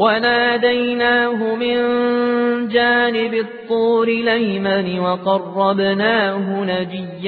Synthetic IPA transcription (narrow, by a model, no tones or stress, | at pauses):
wanaːd̪ajnaːɦʊmɪn | d͡ʒaːnɪbɪt̪ˤːuːɾɪlajmanɪwɑqɑrˤːɑbnaːɦʊnad͡ʒɪjːa